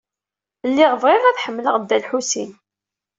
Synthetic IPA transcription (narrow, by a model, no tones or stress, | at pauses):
əlːɪʁvʁɪʁæθħəmːləʁd̪ːælħusin